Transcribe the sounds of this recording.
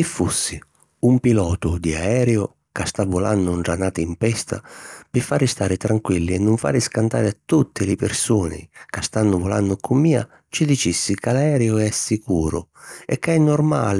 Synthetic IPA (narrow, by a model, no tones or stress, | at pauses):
kifːusːɪ | umpilɔːt̪ʊd̪iaɛːɾɛʊ | kast̪avːʊla̰nːʊɳʈɾanat̪ɛimpɛst̪a̰pɪfːaːɾɪst̪aːɾɪt̪ɾaŋkwilːiɛnːʊɱfa̰ːɾɪskant̪a̰ːɾɪat̪ːut̪ːɪlɪpɪɾsuːnɪ̰kast̪anːʊvʊlanːʊkʊmːiːa̰ | t͡ʃɪd̪it͡ʃisːikalaɛːɾɛʊɛsːikuːɾʊɛkːaɛnːɔɾma̰ːlɪ